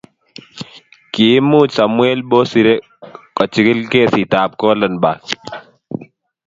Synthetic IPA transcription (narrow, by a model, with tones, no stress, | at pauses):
kiː˨˦muː˦˨t͡ʃsa˨mwe˦lbo˦si˨ɾe˦ | kɔ˨t͡ʃi˨kɪ˦lkeː˦˨si˨taː˨p̚kɔ˦lə˨nba˨